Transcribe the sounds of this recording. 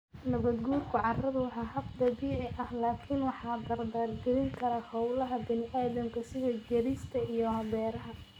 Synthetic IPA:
nɐβɐd̪ɡuːlkʰʊʕɑrɐðʊwɑħɑːɦɐb̚d̪ɐβiːʕɪʔɐhlaːkʰɪnwɑħɑːd̪ɐrd̪aːrɡɪɾɪŋkʰɐɾɐhɑwlɐɦɐbɪnɪʔaːðɐmkʰɐsɪðɐɡɐɾɪst̪ʰɐijɔhɐβɛːɾɐɦɐ

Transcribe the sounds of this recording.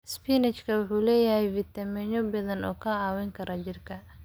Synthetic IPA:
spiːnɛt͡ʃkʰɐwʊħuːlɛːjɐɦɛjfɪt̪ʰɐmɛɲɔbɐðɐnɔːkʰɐɑːwɛŋkʰɐɾʔɐt͡ʃɪrkʰɐ

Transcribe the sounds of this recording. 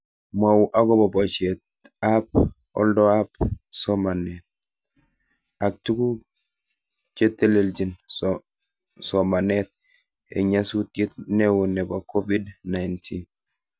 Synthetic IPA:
mawuʔaɡobobot͡ʃet̚ | ap̚ | ɔ̰ldɔapsomanet̪̚ | ak̚tuku | t͡ʃetːeleld͡ʒin | somanet̪̚ | ḛɲasut̚ɡit̪̚newunebakovidnajntʰin

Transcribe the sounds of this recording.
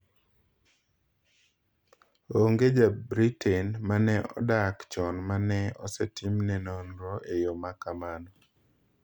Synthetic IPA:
oŋɡed͡ʒabɾitʰɛnmanɛɔ̰dakt͡ʃɔnmanɛɔsɛtimnɛnɔnɾɔʔejomakamanɔ

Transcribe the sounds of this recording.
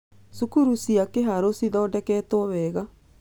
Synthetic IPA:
sukuɾusiakeɦaɾosiðɔːdɛkɛːtɔɔβɛɣa

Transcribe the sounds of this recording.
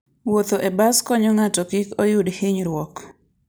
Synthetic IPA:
wot̪oʔebaskɔɲɔŋatɔkɪkojʊdhɪɲɾwɔk

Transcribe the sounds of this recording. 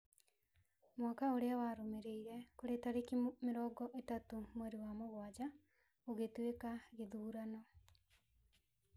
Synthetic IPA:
mwakaoɾeawaːɾomeɾeiɾɛkoɾetaɾekimɪɾɔːɡɔʔetatomoɾewamoɣwad͡ʒa | oɣetwekaɣeðuːɾanɔ

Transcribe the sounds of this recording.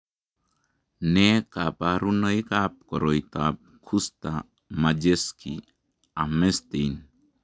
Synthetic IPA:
nekapaɾunəjkap̚kɔɾɔjt̪ap̚kʰust̪a | mad͡ʒeski | amest̪ijn

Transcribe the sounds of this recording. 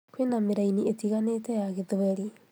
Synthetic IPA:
kwenameɾainietiɣaneːtɛjaɣeðoɛɾi

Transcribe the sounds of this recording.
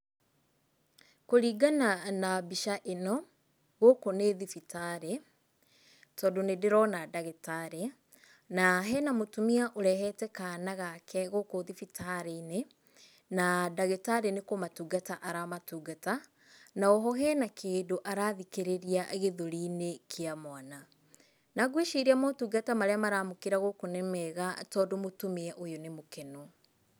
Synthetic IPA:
koɾiːɡananabiʃaʔenɔ | ɣokoneðifitaɾe | tɔdonedeɾɔnadaɣetaɾe | naɦɛnamotumiaʔoɾɛɦɛtɛkanaɣakʰɛɣokoðifitʰaɾeine | nadaɣetaɾenekomatuːɡataʔaɾamatuːɡata | naoɦɔɦɛnakeːdoʔaɾaːðikeɾeɾiaʔeɣeðoɾinekʰeamwana | naɡweʃiɾiamotuːɡatamaɾeamaɾamokeɾaɣokonɛmɛɣatɔːdomotomeɛʔojonemokɛno

